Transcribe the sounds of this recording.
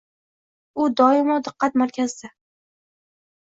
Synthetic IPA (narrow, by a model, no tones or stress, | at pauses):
ʊd̪ɒɪmɒwd̪ɨqːɑt̪maɾkʲʰazd̪a